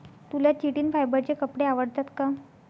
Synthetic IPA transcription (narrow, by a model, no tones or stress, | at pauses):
t̪ulat͡ɕiʈiːnfajbəɾt͡ɕekəpɽeaʋəɽt̪at̪ka